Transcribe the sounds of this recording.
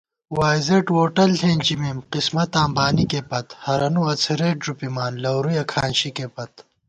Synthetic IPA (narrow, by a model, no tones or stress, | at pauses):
waːjzeʈwoːʈɐlheːnʲt͡ɕimemqismɐt̪aːmbaːnikepɐt̪hɐɾɐnuɐt͡sʰeɾeːʈɾupimaːnlɐwɾujɐkʰaːnɕikepɐt̪